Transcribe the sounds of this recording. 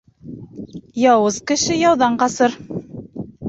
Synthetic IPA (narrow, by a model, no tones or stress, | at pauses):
jɑwɤzkɘ̆ʃɘjɑwðɑɴqɑsɤɾ